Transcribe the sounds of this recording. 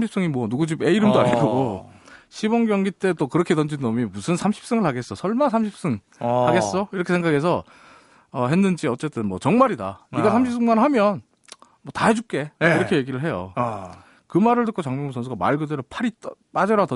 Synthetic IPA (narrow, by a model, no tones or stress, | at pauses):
mɕʰips͈ʌŋimwʌnuɡud͡ʑibe̞iɾɯmdoaɲiɡʌɡoɕʰibʌŋɡjʌŋɡit͈e̞t͈okɯɾʌkʰe̞tʌnd͡ʑinːʌmimusʰɯnsʰamɕʰi̥p̚s͈ɯŋɯɭhaɡe̞s͈osʰʌɭmansʰamɕʰip̚s͈ɯŋ | haɡe̞s͈oiɾʌkʰe̞sʰeŋɡakʰe̞sʰʌ | ʌɦe̞nːɯnd͡ʑiʌt͡ɕ͈e̞t͈ɯnmwʌt͡ɕʌŋmaɾida̰iɡasʰamɕʰip̚s͈ɯŋmanhamjʌn | mʌtaed͡ʑup̚k͈e̞iɾʌkʰe̞je̞ɡiɾɯɭɦe̞jo̰ | kɯmaɾɯɭdɯk͈ot͡ɕaŋmoŋusʰʌnsʰuɡama̰ɭɡɯdeɾopʰaɾit͈p͈ad͡ʑʌɾatʌ